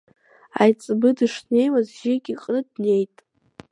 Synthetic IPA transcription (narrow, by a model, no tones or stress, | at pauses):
ajt͡sʼbɨdiʂne̞jmazʒɪɡʲiqʼnɨdne̞jtʼ